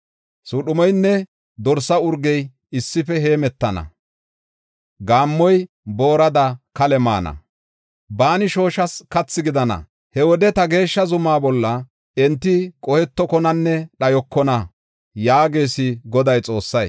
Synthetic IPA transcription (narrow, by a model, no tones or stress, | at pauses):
suɗʊmɔjnːɛ | d̪ɔɾsɐʊɾɡɛj | ɪsːɪfɛɦe̞ːmɛt̪ːɐnɐ̰ | ɡaːmːɔj | bo̞ːɾɐd̪ɐkɐlɛma̰ːnɐ̰ | baːnɪʃo̞ːʃɐskɐt͡sːɪɡɪd̪ɐnɐ̰ | hɛwɔd̪ɛt̪ɐɡe̞ːʃːɐzʊmaːbɔlːɐ | ɛnt̪ːɪkʼɔhɛt̪ːɔkɔnɐnːɛɗɐjɔkːɔnɐ | jaːɡe̞ːsɪɡɔd̪ɐjt͡sʼo̞ːsːɐj